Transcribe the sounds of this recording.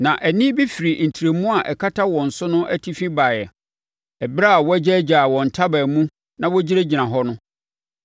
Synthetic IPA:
nã˨ʔɛ˨nɪ̃˦bi˦fi˨ɾi˨n̩˨tʰi˨ɾe˨mũ˦a˨ʔɛ˨kʰa˦tʰa˦wɔ̃˨n̩˨sʊ˦nʊ̃˦ʔæ˦tʰi˦fĩ˦baː˨jɛ˨ | ɛ˨bɾa˦a˨wɔ˦æ˦d͡ʑɪ˦æ˦d͡ʑaː˨wɔ̃˨n̩˨tʰa˦bæ˨mũ˦ | nã˨wɔ˦d͡ʑi˦ɾe˦d͡ʑi˨nã˨ɦɔ˦nʊ̃˦

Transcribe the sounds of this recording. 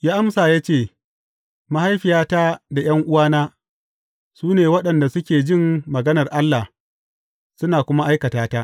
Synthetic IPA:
jaː˦ʔa˦msaː˨ja˦t͡ʃeː˦˨ | ma˦ha˦jɸɪ˨jaː˦taː˦da˨j̰ɐ˦ŋʔʊ˦waː˦naː˦ | suː˦neː˨wɐ˦ɗɐ˨nda˨sʊ˦kʲeː˨d͡ʒɪ˦˨mːɐ˨ɡɐ˦nɐ˨rʔa˦lːa˨h | sʊ˦naː˨kʷʊ˦ma˦ʔa˦jkɐ˨taː˦taː˦ʔ

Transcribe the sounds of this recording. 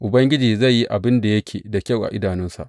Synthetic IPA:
ʔʊ˨bɐ˦ŋɡʲɪ˦d͡ʒiː˨za˦˨jːi˦ʔa˨bɪ˦nda˨jɐ˦kʲʰeː˨da˨kʲɐ˦˨wʔa̰˨ʔɪ˦daː˨nɪ˦nsa̰˨ʔ

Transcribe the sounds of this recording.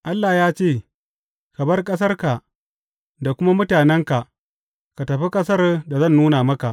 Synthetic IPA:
ʔa˦lːaː˨jaː˦t͡ʃeː˦˨ | kɐ˨bɐ˦rkʼɐ˦s̬ɐ˦rka˨ʔ | da˨kʷʊ˦ma˦mʊ˦taː˨nɛ˦ŋka˨ʔ | ka˨tɐ˨ɸi˦kʼɐ˦sɐ˦rda˨zɐ˦˨nːuː˦naː˨mɐ˦ka˨ʔ

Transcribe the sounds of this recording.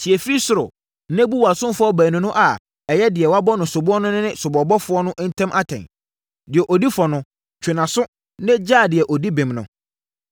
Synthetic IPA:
si˨ɛ˨fɾi˦sʊ˨ɾʊ˨ | nɛ̃˦bu˦wa˨sʊ̃˦mfɔ˦bæ̃ː˨nʊ̃˨nʊ̃˦ʔa˨ | ɛ˨jɛ˦dɪ˨ɛ˨wa˦bɔ˦nʊ̃˨sʊ˨bʊ˦ɔ˦nʊ̃˦nɪ̃˦nɪ̃˦sʊ˨bɔ˨bɔ˦fʊ˦ɔ˦nʊ̃˦ʔn̩˦tʰã˦mʔa˦tʰɛ̰̃˨n | dɪ˨ɛ˨ʔo˨di˦fɔ˨nʊ̃˦ | t͡ɕʰᶣɪ˨nã˨sʊ˦ | nɪ̃˦d͡ʑaː˦˨dɪ˨ɛ˨ʔɔ˨di˦bẽ˨mnʊ̰̃˨

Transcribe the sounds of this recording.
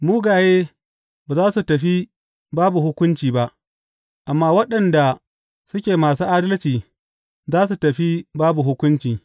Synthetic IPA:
muː˦ɡaː˨jeː˦ | baː˨zaː˦su˨tɐ˨ɸi˦ | baː˦bu˨ɦʊ˦kʷʊ˦nt͡ʃiː˨ba˦ʔ | ʔa˨mːaː˦wɐ˦ɗɐ˨nda˨ | sʊ˦kʲeː˨maː˨suː˦ʔaː˦dɐ˦lt͡ʃiː˨ | zaː˦s̬u˨tɐ˨ɸi˦baː˦bu˨ɦʊ˦kʷʊ˦nt͡ʃiː˨

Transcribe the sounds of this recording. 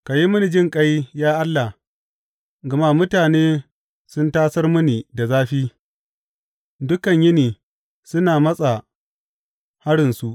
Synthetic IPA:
ka˨ji˦mʊ˦ni˨d͡ʒɪ˦ŋkʼɐ˦jjaː˦ʔa˦lːa˨h | ɡa˨ma˦mʊ˦taː˨neː˦ | sʊ˦ntaː˦sɐ˦rmʊ˦ni˨da˨zaː˦ɸiː˦ | dʊ˦kɐ˨ɲjɪ˦niː˨ | sʊ˦naː˨mɐ˦sʼa˨ | ha˦ɽɪ˨nsu˦ʔ

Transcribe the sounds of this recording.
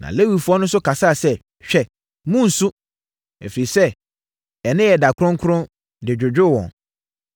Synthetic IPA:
nã̰˨le˦wi˨fu˦ɔ˦nʊ̃˦sʊ˦kʰa˨sa˦˨sɛ˦˨ | ɕᶣɛ˨ | mũ˦n̩˨su˦ | ɛ̰˨fɾe˨i˨sɛ˦ | ɛ˨nɪ̃˦jɛ˨da˨kʰʊ˦ɾʊ̃˦ŋkʰʊ˦ɾʊ̃˦ | dɪ˨d͡ʑᶣʊ˨d͡ʑᶣʊ˦˨wɔ̰̃˨n

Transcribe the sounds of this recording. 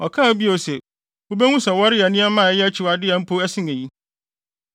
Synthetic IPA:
ɔ˨kʰã˦˨˦bi˦a˨o˨sɛ˨ | wo˦be˦ŋũ˦sɛ˨wɔ˦ɾɪ˦æ˨nĩ˦ɛ˦mã˦˨ɛ˦jɛ˦æ˦t͡ɕʰi˨wa˨dɪ˦ɛ˨m̩˦pʰo˦æ˦sɪ̃˦ŋẽ˨ji˦

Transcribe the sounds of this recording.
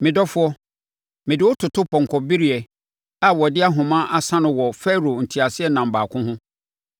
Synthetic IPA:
mɪ̃˨dɔ˦fʊ˦ɔ˦ | mɪ̃˨dɪ˨wʊ˦tʰʊ˨tʰʊ˦pʰɔ̃˨ŋ˨kʰɔ˨bi˦ɾi˦ɛ˨ | a˨wɔ˨dɪ˦a˦ɦʊ̃˨mã˦ʔa˨sã˦nʊ̃˨wɔ˨fɛ˦ɾo˨n̩˨tʰi˨a˨sɪ˦ɛ˦nã˨m̩˨baː˨kʰʊ̃˦hʊ̃˦

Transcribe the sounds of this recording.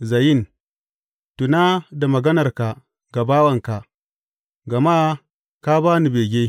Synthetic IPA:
za˨ji˦n | tu˨na˦da˨mɐ˨ɡɐ˦nɐ˨rka˨ | ɡa˨baː˦wɐ˨ŋka˨ | ɡa˨ma˦ | ka˦baː˦ni˨beː˨ɡʲe˦

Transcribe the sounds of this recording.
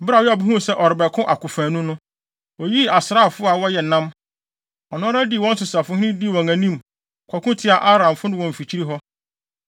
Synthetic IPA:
bɾa˨wɪ˦a˨bu˦hũ˦sɛ˦ʔɔ˨ɾɪ˨bɛ˨kʰʊ̃˦ʔa˨kʊ˨fæ̃ː˨nʊ̃˦nʊ̃˦ | wɔ˨ji˦a˨sɪ˨ɾa˦˨fʊ˦a˨wɔ˦jɛ˨nã˦m | ɔ˨nʊ̃˦ɾa˦di˦˨wɔ̃˦n̩˦sʊ˨sa˨fʊ˦hɪ̃˦nɪ̃˦di˦˨wɔ̃˨ŋæ̃˨nĩ˦m | kʰʷɔ˨kʰʊ̃˦tʰɪ˦a˨ʔa˦ɾã˨mfʊ˦nɪ̃˦wɔ̃˨m̩˨fi˨t͡ɕʰi˦ɾi˦ɦɔ˦

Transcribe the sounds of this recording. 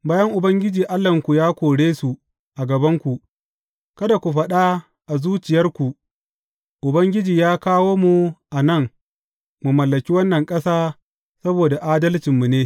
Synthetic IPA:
baː˦jɐ˦ŋʔʊ˨bɐ˦ŋɡʲɪ˦d͡ʒiː˨ʔa˦lːɐ˨ŋkʷu˨jaː˦kʷoː˨ɽeː˦su˨ | ʔa˨ɡɐ˨bɐ˦ŋkʷu˨ʔ | kɐ˦da˨kʷu˨ɸɐ˦ɗa˦ | ʔa˨zuː˦t͡ʃɪ˨jɐ˦rkʷu˨ | ʔʊ˨bɐ˦ŋɡʲɪ˦d͡ʒiː˨jaː˦kaː˦woː˦mu˨ʔa˨nɐ˦˨ŋ | mu˨mɐ˨lːɐ˨kʲi˦wɐ˦nːɐ˨ŋkʼɐ˦saː˦ | sɐ˦boː˨da˨ʔaː˦dɐ˦lt͡ʃɪ˨mːu˨neː˦

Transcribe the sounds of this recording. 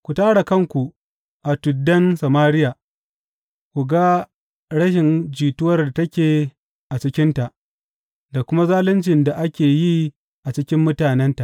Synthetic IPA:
kʷu˨taː˦ɽa˨kɐ˦˨ŋkʷu˨ | ʔa˨tʊ˨dːɐ˦nsɐ˨maː˦ɽɪ˦jaː˨ | kʷu˨ɡa˦ | ɽɐ˦ʃ̬ɪ˨nd͡ʒiː˨tʊ˦wɐ˦rda˨tɐ˦kʲeː˨ | ʔa˨t͡ʃɪ˦kʲɪ˦nta˨ʔ | da˨kʷʊ˦ma˦zaː˦lɪ˦nt͡ʃɪ˨nda˨ʔa˦kʲeː˨jiː˦ | ʔa˨t͡ʃɪ˦kʲɪ˦mːʊ˦taː˨nɛ˦nta˨ʔ

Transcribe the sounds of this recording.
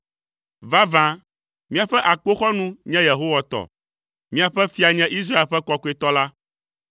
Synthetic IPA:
va˦vã˦ | mĩ˦a˨ɸɛ˦ʔa˨k͡po˦xɔ˦nũ˦ɲɛ̃˦je˨ɦo˦wa˨t̪ɔ̰˨ | mĩ˦a˨ɸɛ˦fi˦a˨ɲɛ̃˦ʔi˦s̬ɾa˦e˨lɸɛ˦kɔ˦ku˦e˦t̪ɔ˦la˦

